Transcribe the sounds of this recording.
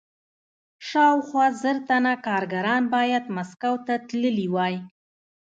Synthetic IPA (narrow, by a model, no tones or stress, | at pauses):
ʃɑwxwɑzəɾt̪anakɑɾɡaɾɑnbɑjad̪maskawt̪at̪ləliwɑj